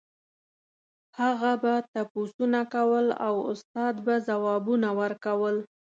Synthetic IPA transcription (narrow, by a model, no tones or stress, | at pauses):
haɣabat̪aposunakawəla̰wʊ̰st̪ɑd̪bazawɑbunawəɾkawəl